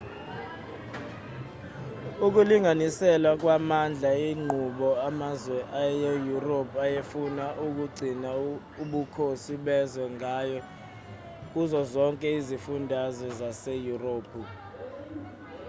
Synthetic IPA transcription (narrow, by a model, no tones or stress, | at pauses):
uk̬uliŋanisɛlwak̬wamand͡ɮʱaiŋ͡ǃʱuɓɔamazwɛʔajejuropʰajefunaʔuk̬uɡ͡ǀʱina | uɓukʰosiɓɛzwɛŋajɔ | k̬uzɔzɔŋkʼɛizifundʱazwɛzasejuroːpʰu